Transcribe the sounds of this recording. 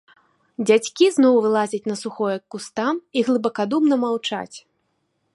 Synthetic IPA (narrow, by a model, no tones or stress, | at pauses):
d͡zʲat͡sʲkʲiznɔwvɨlˠazʲɐt͡sʲnɐsuxɔjɐkːust̪amiɣlˠɨbɐkad̪umnɐmawt͡ʂa̰t͡sʲ